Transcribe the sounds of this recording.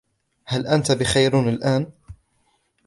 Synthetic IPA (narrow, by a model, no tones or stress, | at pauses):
halʔant̪abɪxajɾnalʔaːn